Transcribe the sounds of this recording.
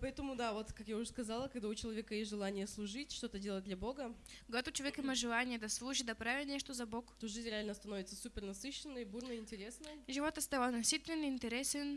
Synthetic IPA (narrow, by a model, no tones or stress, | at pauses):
pɐɛt̪əmʊd̪avo̞t̪kakjaʊʐskɐzalˠəkɐɡd̪aʊt͡ɕɪlˠɐvʲekəjesʲʐɨlˠanʲɪjəslˠʊʐɨtʲʂt̪ot̪ədʲelˠət̚ʲd̪lʲɐbo̞ɡə | kɡat̪ʊt͡ɕɪɐvʲekiməʐɨlˠanʲɪjəd̪ɐslˠuʒid̪ɐpɾavʲɛnʲɛʂt̪ʊzɐbokt̪oʐɨzʲɾʲɪalʲnəst̪ɐnovʲɪt̪səsupʲɪrnɐsɨɕːɪnːəjbuɾnəɪnʲtʲɪɾʲesnəjʐɨvot̪ɐst̪avˠanɐsʲit̪ʲvʲɪnɪnʲt̪ʲɛɾʲɛsʲɛn